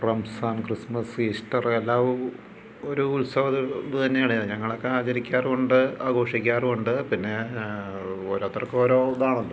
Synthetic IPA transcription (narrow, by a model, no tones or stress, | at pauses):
prɐmsaːnkrismɐsiːsʈɐrelːaːʋu | o̞ɾuːlsɐʋɐt̪inːut̪ɐnːejaːɳɨaɲɐŋːɐɭokːeaːt͡ɕɐɾikʲːaːroɳɖɨaːɡo̞ːʂikʲːaːroɳɖɨpinːe̞ | oːɾoːt̪ːrɐkːeo̞ːɾoːðaːɳuɳɖɨ